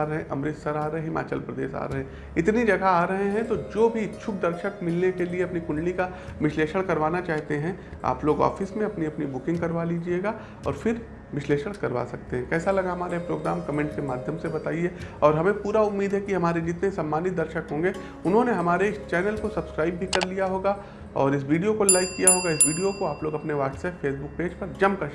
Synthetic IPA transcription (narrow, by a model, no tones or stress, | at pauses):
ɾɐɦẽʔɐ̰mɾɪt̪sɐɾaːɾɐẽɦɪma̰ːt͡ʃəlpɾɐd̪ḛːʃa̰ːɾɐɦẽ | ɪt̪nid͡ʒɐɡʱaaːɾɐɦeɦɛ̃t̪od͡ʒoːbʱit͡ʃʰʊk̚d̪ɐɾʃəkmɪlnekelieɐpnikʊ̃nɽika | ʋɪʃleːʃəɽ̃kɐɾʋaːnat͡ʃaːɦt̪eɦɛ̃ | a̰ːploːɡɔ̰ːfɪsmẽɐpniɐpnibʊkɪ̃ŋɡkɐɾʋaliːd͡ʒieːɡa | ɔ̰ːɾfɪɾ | ʋɪʃleːʃəɽ̃kɐɾʋa̰sɐk̚t̪eɦɛ̃kɛːsalɐɡaɦɐmaːɾepɾoːɡɾaːmkɐmẽːɳʈ̚kemaːd̪ʱjəmsebɐt̪aːieɔːɾɦɐmẽpuːɾaʊmːiːd̪ʱɦɛkiɦɐmaːɾed͡ʒɪt̪nesaːmːaːnɪt̪̚d̪ɐɾʃəkɦõːŋɡe | ʊnɦõneɦɐmaːɾeɪst͡ʃɛːnəlkosɐbskɾaːɪbbʱikɐɾlijaɦoːɡa | ɔːɾɪs̬ʋiːɖijokolaːɪkːijaɦoːɡaɪsʋiːɖijokoaːploːɡɐpneʋaːʈsɛːpfeːsbʊk̚peːd͡ʒpɐɾd͡ʒɐmkɐʃ